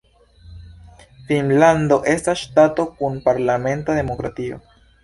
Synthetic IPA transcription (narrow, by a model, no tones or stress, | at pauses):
finlando̞ʔe̞stasʃtato̞kunpaɾlame̞ntade̞mo̞kɾatio̞̰